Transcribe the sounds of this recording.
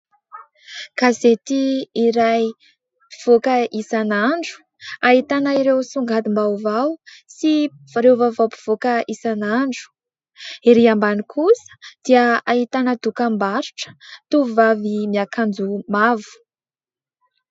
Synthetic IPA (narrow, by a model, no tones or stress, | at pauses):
kazet̪iːɾaj | pi̥v̥okəʔisanaɳɖ͡ʐu̥ | aɦit̪anaiɾewsuŋɡad̪imbawvawsi | ɾewvavawpi̥v̥okəisanaɳɖ͡ʐu̥ | eɾiambanikʰusə̥d̪̥iəaɦit̪anəd̪̥ukambaɾuʈ͡ʂə̥t̪uvuvavimiakʰand͡zumavu̥